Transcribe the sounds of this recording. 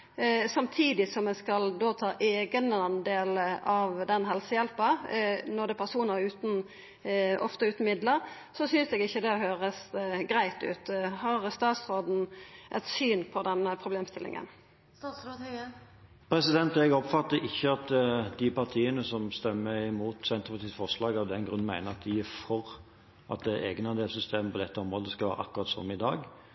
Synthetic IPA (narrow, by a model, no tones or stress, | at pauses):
sɑmt̪ʰiːd̪ɪsɔmːɛskɑld̪oːt̪ʰɑːʔeːɡənɑnd̪eːləʔɑʋd̪ɛnɦɛlsəjɛlpənɔd̪ɛpʰæʁsuːnəʁʉːt̪n̩ | ʔɔ̰ft̪əʉːt̪n̩mɪd̪ləʁ | sɔsyːnsɛːɡɪçːəd̪ɛɦøːʁəsɡɾæɪt̪ʉ̰ːt̪hɑːʁst̪ɑːt̪sʁoːd̪n̩ʔɛt̪syːnpʰɔd̪ɛnpʰɾʊbleːmst̪ɪlʔɪ̰ŋə̰nː | s | pʰɾɛsɪd̪ɛnt̪ɛɡɔpfɑt̪ːəʔɪçːəɑt̪d̪ɪpʰɑʁt̪ʰiːənəsɔmst̪ɛmːəɪmuːt̪sɛnt̪əɾpɑt̪ʰiːsfɔʁslɑːɡɑʋd̪ɛnɡɾʉn̩mæɪnəɑt̪̚d̪ɪɪfɔʁ | ɑ̰t̪̚d̪ɛʔeːɡnɑd̪eːlsʏst̪ʰeːməpʰɔd̪ɛt̪ːəɔmɾoːd̪əskɑʋæ̰ːɾəɑ̰kːʉʁɑt̪sɔ̰mɪd̪ɑːɡ